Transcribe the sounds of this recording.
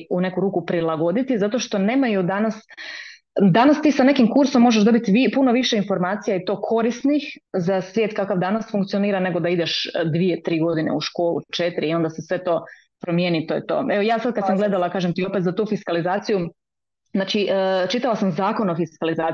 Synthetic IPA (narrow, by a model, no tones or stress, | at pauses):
une̞kuɾuːkupɾilˠaɡo̞d̪it̪izat̪oʃt̪o̞ne̞ːmajud̪anas | d̪anast̪iːsane̞kimkuɾsomːoʒeʒd̪o̞bit̪iipuno̞ʋiʃeinfo̞ɾmaːt̪sijait̪o̞ːkʰo̞ɾisnixzasʋjet̪kakaʋd̪anasfuŋk̚t̪sio̞niːɾane̞ɡo̞d̪aid̪eʃd̪ʋiet̪ɾiːɡo̞d̪inḛuʃko̞ːlˠṵt͡ʃet̪iɾiːo̞nd̪asesʋe̞t̪o̞ː | pɾo̞mjenit̪ojet̪oːeʋo̞jaːsad̪̚kad̪samɡle̞d̪alakaːʒemt̪io̞pet̪zat̪uːfiskalizaːt̪siju | znaːt͡ʃiʔt͡ʃit̪aʋasamzaːko̞nofiskalizaː